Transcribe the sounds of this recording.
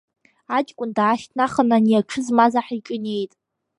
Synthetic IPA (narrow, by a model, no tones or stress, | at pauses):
at͡ʃʼkʷʼʊndaːʃtʰnaχənanijaʈ͡ʂʰɨzmazaħit͡ʃʼɨne̞jtʼ